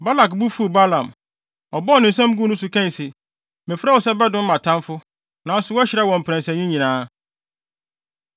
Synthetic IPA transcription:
ba˦la˨kbu˦fu˦˨ba˦lã˨m | ɔ˨bɔ˦nɪ̃˨n̩˨sɛ̃˦m˦ɡu˦nʊ̃˦sʊ˨kʰɛ̃˦˨sɪ˨ | mɪ̃˨fa˦wɔ˨sɛ˦bɛ˦dʊ̃˦m̩˦mã˨tʰã˦nfʊ˦ | nã˨˦sʊ˨˦wɔ˦æ˦ɕɪ˨ɾɛ˦wɔ̃˨m̩˨pʰɾæ̃˨nsɛ̃˨ɲĩ˦ɲĩ˨nãː˦

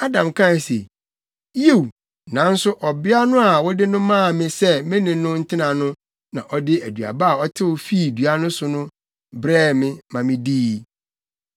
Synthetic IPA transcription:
a˦dã˨mkʰã˦˨n˨se˨ | je˦˨w | nã˨˦n̩˦sʊ˦ʔɔ˨bɪ˦a˦nʊ̃˦a˨wɔ˦dɪ˦nʊ̃˦mã˦˨mɪ̃˦sɛ˦mɪ̃˦nɪ̃˨nʊ̃˦n̩˦tʰɪ˦nã˨nʊ̃˦ | nã˨ʔɔ˦dɪ˦æ˨dɥa̰˨ba˦a˨ɔ˦tʰɪ˦wɔ˦fi˦˨du˨a˦nʊ̃˦sʊ˨nʊ̃˦ | bɾɛː˦˨mɪ̃˦mã˨mɪ̃˦diː˦˨

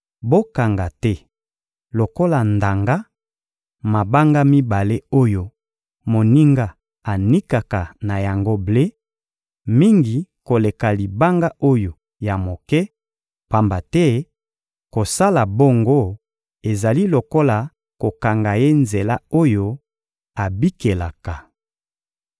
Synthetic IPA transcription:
bo˦ka˨ŋɡa˨tɛ˦ | lo˨ko˦la˨nda˨ŋɡa˦ | ma˨ba˦ŋɡa˦mi˦ba˨le˦o˦jo˨ | mo˨ni˦ŋɡa˦ | a˨ni˦ka˨ka˨na˨ja˨ŋɡo˦ble˦ | mi˦ŋɡi˨ko˨le˨ka˨li˨ba˦ŋɡa˦ʔo˦jo˨ | ja˨mo˨kɛ˦ | pa˨mba˨tɛ˦ | ko˨sa˦la˨bo˦ŋɡo˦ | e˨za˨li˦lo˨ko˦la˨ | ko˨ka˨ŋɡa˨je˦nze˨la˦o˦jo˦ | a˨bi˦ke˨la˨ka˨

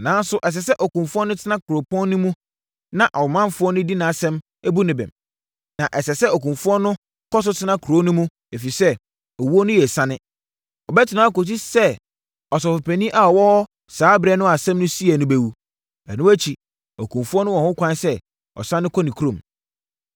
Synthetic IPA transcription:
nãː˨˦n˦sʊ˦ʔɛ˨s̬ɛ˨sɛ˦ʔɔ˨kũ˨mfʊ˦ɔ˦nʊ̃˦tʰɪ˦nã˦kʰɾo˨pɔ̃˦nː˦ʊ̃˦mũ˦ | nã˨ʔa˨wmã˦mfʊ˦ɔ˦nʊ̃˦di˦nã˨sɛ̃˦m | æ˦bu˦nɪ̃˨bɛ̰̃˨m | nã˨ʔɛ˨sɛ˨sɛ˦o˨kũ˨mfʊ˦ɔ˦nʊ̃˦ | kɔ˦s̬ʊ˦tʰɪ˦nã˦kʰu˨ɾo˦nʊ̃˦mũ˦ | æ˨fi˨sɛ˦ | ɔ˨wu˦ɔ˦nʊ̃˦jɛ˨sã˦nɪ̃˦ | ɔ˨bɛ˦tʰɪ˨nãː˨˦˨ko˨t̬i˦sɛ˦ | ɔ˨s̬ɔ˨fʊ˨pʰæ˨nĩ˦ʔa˨ɔ˨wɔ˦ | saː˨˦bɾɛ˦nʊ̃˦a˨sɛ̃˦mnʊ̃˦si˦ɛ˨nʊ̃˦be˨wu˦ | ɛ˨nʊ̃˦æ˦t͡ɕʰi˨ | o˨kũ˨mfu˦ɔ˦nʊ̃˦wɔ̃˨hʊ̃˦kʷã˦nsɛ˦ | ɔ̰˨sã˦nːɪ̃˦kʰɔ˦nĩ˨kʰu˦ɾõ˨m

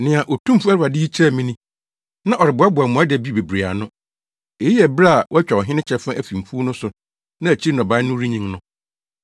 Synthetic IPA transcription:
nɪ̃˨ã˨ʔo˨tʰũ˦m˦fu˦æ˦ɾa˨dɪ˦i˦t͡ɕʰɛ˦˨mĩ˦nĩ˦ | nã˦ʔɔ˨ɾɪ˨bʊ˨˦a˦bʊ˨a˨mũ˨a˦dɛ˨bi˦be˨bɾi˨a̰˨nʊ̃˦ | e˨˦i˦ɛ˨bɾa˦˨wɔ˦æ˦t͡ɕᶣɛ˨ɔ˨ɦɪ̃˦nɪ̃˦t͡ɕʰɛ˦fã˦ʔæ˨fi˨m̩˨fu˦nʊ̃˦sʊ˨ | nã˦æ˨t͡ɕʰi˦nɔ̃˨ba˦nʊ̃˦ɾĩ˦ɲĩ˦ŋnʊ̃˦

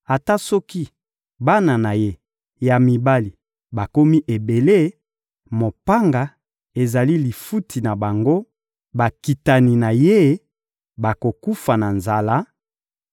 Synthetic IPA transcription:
a˨ta˦sɔ˦ki˦ | ba˦na˨na˨je˦ | ja˨mi˨ba˦li˨ | ba˨ko˦mi˦ʔe˨be˨le˦ | mo˨pa˦ŋɡa˨ | e˨za˨li˦li˨fu˦tʰi˨na˨ba˨ŋɡo˦ | ba˨ki˨ta˨ni˨na˨je˦ | ba˨ko˨ku˦fa˨na˨nza˨la˦

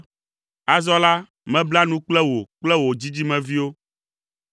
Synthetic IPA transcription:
a˦zɔ˦la˦ | mɛ̃˦bla˦nũ˦k͡plɛ˦wo˨k͡plɛ˦wo˨d͡ʑi˦d͡ʑi˦mɛ̃˨vi˦wo˦

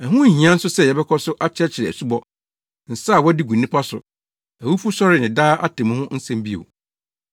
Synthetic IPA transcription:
ɛ˨ɦʊ̃˦˨ɦĩ˨ã˦n̩˦sʊ˦sɛ˦˨jɛ˨bɛ˦kʰɔ˦sʊ˦ʔa˦t͡ɕʰɛ˦t͡ɕʰɪ˨ɾɛ˨æ̰˨su˦bɔ˦ | n̩˨saː˦˨wɔ˦di˦ɡũ˨nːɪ̃˦pʰa˦sʊ̰˨ | æ˨wu˦fu˦sɔ˦ɾɪ˨nɪ̃˨daː˦ʔa˦tʰɪ̃˨m̃˦hʊ̃˦n̩˦sɛ̃˦m˦bi˦o̰˨

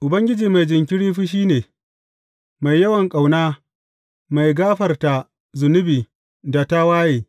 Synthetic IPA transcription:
ʔʊ˨bɐ˦ŋɡʲɪ˦d͡ʒiː˨ma˨jd͡ʒɪ˨ŋkʲɪ˦ɽiː˦ɸiː˦ʃ̬iː˦neː˨ | ma˨jːɐ˦wɐ˨ŋkʼa˨wnaː˦ | ma˨jɡaː˦ɸɐ˨rta˨ | zʊ˨nʊ˦biː˨ | da˨ta˦waː˦jeː˨

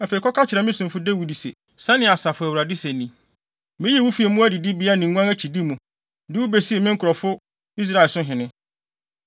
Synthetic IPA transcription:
æ˨fe˨kʰɔ˦kʰa˦t͡ɕʰɪ˨ɾɛ˨˦mɪ̃˦sʊ̃˨m˨fʊ˦de˦wu˨di˨sḛ˨ | sã˦nɪ̃˨a˨sa˨fʊ˨æ˨wu˨ɾa˨dɪ˦sɛ˨nĩ˨ | mɪ̃˦ji˦wu˦fi˨˦ɛ˨mũ˦æ˦di˨dɪ˦bi˨˦a˦nĩ˨ŋ˨ɡʷã˦æ˦t͡ɕʰi˨di˦mũ˨ | dɪ˦wu˦be˦si˦e˨mɪ̃˦ŋ̩˦kʰɔ˨fʊ˦ | i˦s̬ɾa˦˨ɛ˨sʊ̃˦ɦɪ̃˨nɪ̃˦

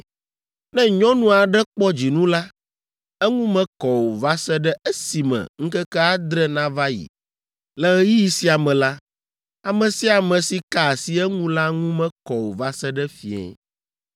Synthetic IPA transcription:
nɛ̃˦ɲɔ̃˦nũ˦a˨ɖɛ˦k͡pɔ˦d͡ʑi˨nũ˦la˦ | ɛ˦ŋũ˦mɛ̃˦kɔ˨wo˨va˦sɛ˦ɖɛ˦ʔɛ˦si˨mɛ̰̃˨ŋ̩˦kɛ˦kɛ˦a˦d̪ɾɛ˦nã˦va˦jḭ˨ | lɛ˨ɣɛ˦ji˦ji˨si˦a˨mɛ̃˨la˦ | a˨mɛ̃˨si˦a˨mɛ̃˨si˦ka˦˨a˨si˦ɛ˦ŋũ˦la˦ŋũ˦mɛ̃˦kɔ˨wo˨va˦sɛ˦ɖɛ˦fi˨ɛ̰˨

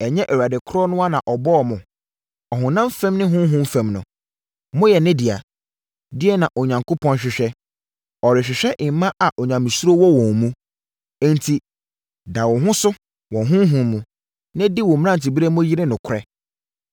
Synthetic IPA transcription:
ɛ˨ɲɛ̃˦ʔɛ˨wa˨dɪ˨kʰʊ˦ɾɔ˦nʊ̃˦a˦nã˨ʔɔ˨bɔ˦ɔ˨mʊ̃˨ | ɔ˨ɦʊ̃˨nã˦m˦fɛ̃˦mnɪ̃˦ɦʊ̃˦ɦʊ̃˦m˦fɛ̃˨mnʊ̃˨ | mʊ̃˦jɛ˨nɪ̃˦dɪ˨a̰˨ | dɪ˦ɛ˦nã˨ʔo˨ɲã˨ŋko˦pʰɔ̃˦nɕᶣɪ˨ɕᶣɛ˦ | ɔ˨ɾɪ˨ɕᶣɪ˨ɕᶣɛ˦ʔɪ̃˨m˨˦mã˦ʔa˨ʔo˨ɲã˨mĩ˨su˦ɾo˦wɔ˦wɔ̃˨mũ˦ | ɛ̃˦ntʰi˨ | da˨wɔ̃˨ɦʊ̃˦sʊ˦ | wɔ̃˨ɦʊ̃˦ɦũ˨mũ˨ | nɪ̃˦di˦wɔ̃˨m̃˦ã˦˨n˨tɪ˨bi˦ɾe˦mʊ̃˦ji˦ɾɪ˦nʊ̃˨kʰʊ˦ɾɛ˦

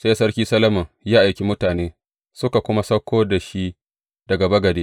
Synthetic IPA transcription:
se˦sɐ˦rkʲiː˦sɐ˦lɐ˦mɐ˨ŋjaː˦ʔa˨jkʲi˦mʊ˦taː˨neː˦ | sʊ˦ka˨kʷʊ˦ma˦sɐ˦kʷʰːoː˦da˨ʃi˦ | d̥ɐ˨ɡɐ˨bɐ˦ɡɐ˨deː˦

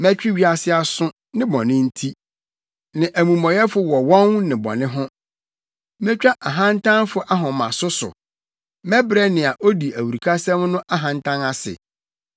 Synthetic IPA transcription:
mɛ˦t͡ɕᶣi˦ɥi˦a˨sɪ˦a˨sʊ̃˦ | nɪ̃˦bɔ̃˨nɪ̃˦n̩˦tʰi˦ | nɪ̃˨ʔæ˨mũ˨mɔ̃˨jɛ˦fʊ˨wɔ˨wɔ̃˦ŋnɪ̃˨bɔ̰˨nɪ̃˦ɦʊ̃˦ | mɛ̃˦t͡ɕᶣa˦ʔa˨ɦã˦n˦tʰã˦nfʊ˦ʔa˦ɦɔ̃˨mã̰˨sʊ˦sʊ̰˨ | mɛ̃˦bɾɛ˦nɪ̃˨a˨ʔo˦di˨æ˨wu˨ɾi˨kʰa˦sɛ̃˦mnʊ̃˦ʔa˦ɦã˨n˦tʰã˦na˦sɪ̰˨

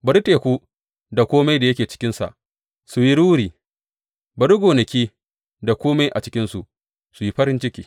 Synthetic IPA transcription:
bɐ˨ɾteː˨kʷuː˦ | da˨kʷoː˦ma˦jda˨jɐ˦kʲeː˨t͡ʃɪ̥˦kʲɪ˦nsa̰˨ʔ | su˨ji˦ɽuː˦ɾiː˨ | bɐ˨ɽʊ˦ɡʷoː˨nɐ˨kʲiː˦ | da˨kʷoː˦ma˦jʔa̰˨t͡ʃɪ˦kʲɪ˦nsu˨ʔ | su˨ji˦ɸɐ˦ɾɪ˦nt͡ʃɪ˦kʲiː˨

